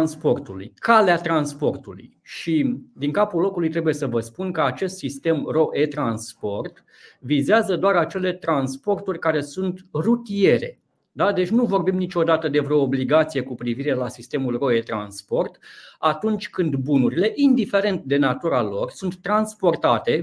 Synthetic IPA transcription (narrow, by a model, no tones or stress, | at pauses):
nspo̞rt̪ulṵjkaleat̪ɾanspo̞rt̪ulṵj | ʃid̪iŋkapulo̞kulujt̪ɾe̞buje̞səvəspunkəat͡ʃe̞st̪sist̪e̞mro̞ʔet̪ɾanspo̞rt̪ | vizeazəd̪oaɾat͡ʃe̞le̞t̪ɾanspo̞rt̪urʲkaɾe̞sunt̪rut̪ije̞ɾe̞̰ | d̪ad̪e̞t͡ʃʲnuvo̞rbimnit͡ʃo̞d̪at̪əd̪evɾeoːbliɡat̪sije̞kupɾiviɾe̞lasist̪e̞mulro̞e̞t̪ɾa̰nspo̞rt̪at̪unt͡ʃʲkɨnd̪bunuɾile̞ʔind̪ife̞ɾe̞nt̪d̪e̞nat̪uɾalo̞rsunt̪ːɾanspo̞rt̪at̪e̞